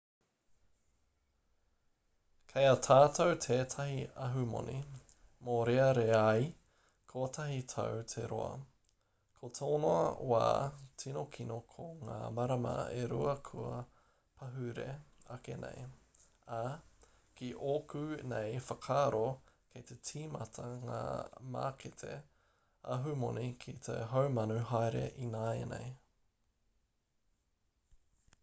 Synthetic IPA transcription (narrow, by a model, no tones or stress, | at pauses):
kʰejɐtʰaːtʰowtʰeːtʰɐɦiɐɦʉmo̰ni | moɾeɐɾeai | kʰotʰɐɦitʰɐ̰wtʰeɾo̰ɐ̰ | kʰotʰoːnoɐ̰wa̰ːtʰinokʰinokʰoŋa̰ːmɐɾɐmɐ̰ḛɾuɐkʰuɐ | pʰɐɦʉɾḛɐkenʔḛj | a | kiʔokʰʉnejfɐkʰaːɾokʰet̪etʰiːmɐtʰɐŋa̰ːma̰ːkʰetʰḛ | ɐ̰ɦʉmonikʰit̪ʰḛɦowmɐnʉɦajɾḛʔinaenḛj